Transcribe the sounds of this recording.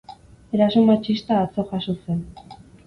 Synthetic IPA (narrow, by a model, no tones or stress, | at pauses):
e̞ɾasumat͡ʃist̪aːt͡so̞xasose̞n